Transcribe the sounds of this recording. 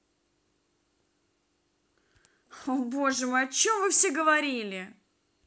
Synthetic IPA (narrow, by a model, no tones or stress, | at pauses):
oboʐɨmɨɐt͡ɕomvɨfsʲeɡəvɐɾʲilʲɪ